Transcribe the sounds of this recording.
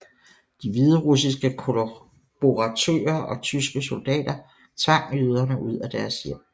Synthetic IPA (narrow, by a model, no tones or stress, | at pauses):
d̥iʋið̞ˠəʁus̬isɡ̥əkʰo | b̥oʁɑt͡sʰø̰ːɐʔɒ̽t͡sʰysɡ̥əso̝ld̥ɛ̰ːd̥ɐ | t͡sʰʋɑ̈ŋ̰yð̞ˠɐnəʔuð̞̰ˠæd̥æɐsjem̰